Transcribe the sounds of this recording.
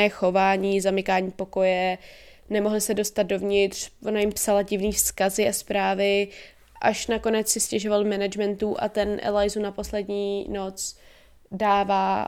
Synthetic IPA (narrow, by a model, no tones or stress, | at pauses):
ɛːxo̞vaːɲiːzamɪkaːɲiːpo̞ko̞jɛ | nɛmo̞ɦlɪsɛdo̞st̪at̪̚do̞vɲɪt̪r̥vo̞najɪmpsalaɟɪvniːfskazɪʔaspɾaːvɪ | ʔaʃnako̞nɛt͡ssɪscɛʒo̞valmɛnad͡ʒmɛnt̪uʔa̰t̪ɛnʔɛ̰lajzunapo̞slɛdɲiːno̞t͡s | daːvaː